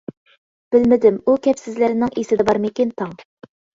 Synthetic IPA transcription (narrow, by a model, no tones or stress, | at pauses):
b̥ɪlmɪd̪ɪmukʲɛpsɪzlɪɾɪnɪŋesɪd̪ɛbɑɾmɪkʲint̪ʰɑŋ